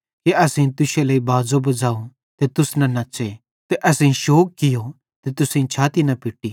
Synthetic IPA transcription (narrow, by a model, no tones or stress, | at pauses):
kiɐsẽĩt̪ʊʃelɐːibaːzobɐd͡ʒaːũ | t̪et̪ʊsnɐnɐt͡ʃe | t̪eʔɐsẽĩʃoːkːɪjo | t̪et̪ʊsẽĩt͡ʃʰaːt̪inɐpɪʈːi